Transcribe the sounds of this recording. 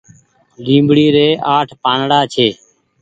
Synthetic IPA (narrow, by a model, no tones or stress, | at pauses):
lĩːmbɽiːɾeːʔaːʈʰpaːnɽaːt͡ʃʰeː